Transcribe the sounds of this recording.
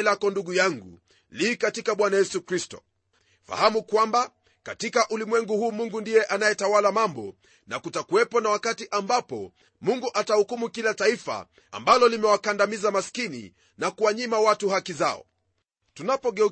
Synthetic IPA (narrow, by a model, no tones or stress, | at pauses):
lakɔnduɠujaŋɡṵ | likatikaɓwanajɛsukɾistɔ̥̰ | fa̰hamukwamba | katikaʔulimwɛŋɡuhuːmuŋɡundijɛʔanajɛtawalamambɔ̰ | nakutakuwɛpɔnawakatiʔambapɔ̰ | muŋɡuʔatahukumukilataifa̰ː | mbalɔlimɛwakandamizamaskinḭ | nakuwaɲimawatuhakizaɔ̰ | tunapɔɠɛ